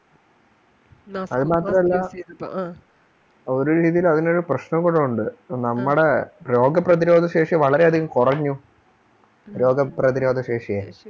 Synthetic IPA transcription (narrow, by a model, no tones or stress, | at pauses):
ɐðɨmaːt̪rɐmɐlːɐ | o̞ɾuɾiːðijilɐðinoɾuprɐɕnɐmkuɽɐuɳɖɨnɐmːuɽepro̞ːɡɐprɐðiɾo̞ːd̪ʱɐɕe̞ːʂɐʋɐɭɐɾeɐd̪ʱikɐmkurɐɲːu | ɾo̞ːɡɐprɐðiɾo̞ːd̪ʱɐɕeːʂɐjeː